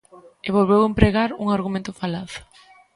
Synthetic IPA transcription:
eβ̞olβewempɾeɣaɾuŋaɾɣumẽnt̪ʊfalaθʊ̥

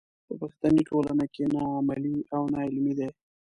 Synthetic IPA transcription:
d̪əpaxt̪aniʈolanakenɑamaliawnɑɪlmid̪e

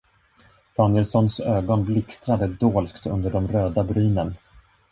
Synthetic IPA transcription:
d̪̥ɑːnɪɛlsɔnsøːɡɔnblɪkst̪ɾad̪əd̪oːlskt̪ʰɵ̰nd̪əɖɔmɾøːd̪abɾyːnən

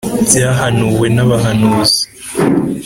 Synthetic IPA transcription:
bjaːɦanuːwe̞naβaɦanuːzi̥

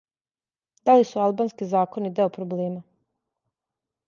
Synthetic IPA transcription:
d̪alisualˠbaːnskizaːko̞nid̪eopɾobleːma

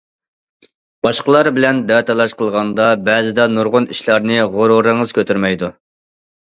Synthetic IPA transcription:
b̥ɑʃqəlˠɑɾbɪlɛnd̪ɛt̪ʰɑlˠɑʃqʰəlˠʁɑnd̪ɑbɛzɪd̪ɛnuɾʁʊniʃlˠɑɾnɨʁoɾoɾəŋəz̥kʲʰøt̪ʰyɾmɛjd̪u

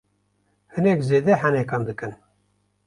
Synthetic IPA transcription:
hɨnɛkzeːd̪ɛħænɛkɑnd̪ɨkɨn

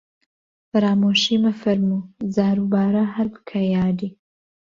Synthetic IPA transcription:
fɐɾaːmoːʃimɐfɐɾmuzaːɾubaːɾɐɦɐɾbɨ̥kʰɐjaːd̪i

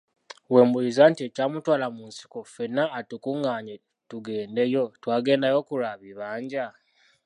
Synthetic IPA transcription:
we̞ːmbulizantiecaːmutwaːlamunsi̥kofenːaːtukuŋɡaːɲe | tuɡe̞ːnde̞jo̞twaːɡe̞ːndajo̞kuɾaβiβaːɲɟa

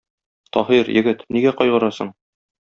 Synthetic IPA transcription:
t̪ɒɦiɾjɘ̆ɡɘt̪niɡæqɒjʁɤ̆ɾɑsɤ̰ɴ

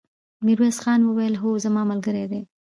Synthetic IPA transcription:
miɾwesxɑnwəwajəlɦozamɑmalɡəɾed̪e

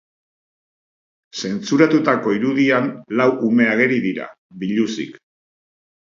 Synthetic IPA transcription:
se̞nt͡suɾat̪ut̪ako̞iɾuðianlawʔume̞aɣ̞e̞ɾiðiɾa̰ | biʎusḭk

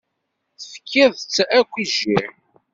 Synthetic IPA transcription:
θfə̥kʰːæðt͡sːækʷːiʒiɾ

